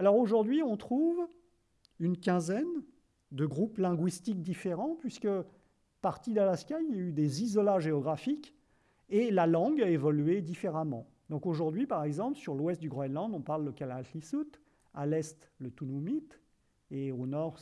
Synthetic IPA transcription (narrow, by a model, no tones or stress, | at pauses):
alɔʁoʒuʁd̪ɥiɔ̃t̪χuv | ynkʲɛ̃zɛn | d̪əɡʁuplɛ̃ɡwist̪ik̚d̪ifeʁɑ̃pɥiskə | paʁt̪id̪alaskʲajijayd̪ezizɔlaʒeɔɡʁafik | elalɑ̃ɡaevɔlyed̪ifeʁamɑ̃ | d̪ɔ̃koʒuʁd̪ɥipaʁɛɡzɑ̃plsyʁlwɛst̪̚d̪yɡʁɔɛd̪lɑ̃d̪ɔ̃paʁləkʲalaltisut̪ | alɛst̪lət̪unumit̪ | eonɔʁ